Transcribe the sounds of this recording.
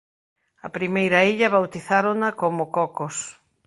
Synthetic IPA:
ɐ̰pɾimejɾɐiʎɐβawt̪iθaɾonɐkomʊkɔkos

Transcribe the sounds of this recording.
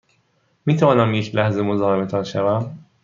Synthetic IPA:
miːt̪ʰævɒːnæmjecʰlæhzemozɒːɦemet̪ʰɒnʃævæm

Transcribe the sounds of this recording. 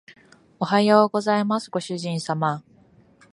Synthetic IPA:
oɦajoːɡo̞zaimasɨɡo̞ɕɨʑĩɰ̃sama

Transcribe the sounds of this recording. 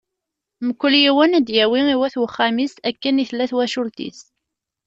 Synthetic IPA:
məkʷːəljiwænæd̪jæwiiwæθwəχːæmisækːəniθlːæθwæʃʊlt̪ḭs

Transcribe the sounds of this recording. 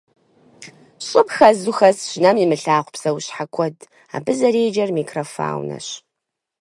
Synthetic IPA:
ɕʼɨpxɐzuxɐsɕnɐmimɨɬaːʁʷpsɐwɕħakʷʰɔd | a̰ːbɨzɐɾeːd͡ʒɐrmikʰrɐfa̰ːwnɐ̰ɕ

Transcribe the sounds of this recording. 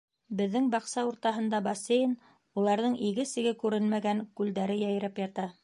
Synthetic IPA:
bɘ̆ðːɘŋbɑqsɑuɾt̪ɑɦɤ̆nd̪ɑbɑsʲejn | ulˠɑɾðɤɴiɡɘsɘ̆ɡɘkʉɾɘnmæɡæŋkʉld̪æɾɘjæj̆ɾæpjɑt̪ɑ

